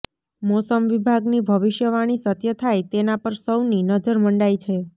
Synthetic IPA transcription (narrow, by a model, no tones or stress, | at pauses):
mosəmʋibʱaɡnibʱəʋiʃjəʋaɽ̃isət̪jət̪ʰajt̪enapəɾsəwninəd͡ʒəɾməɳɖajt͡ʃʰe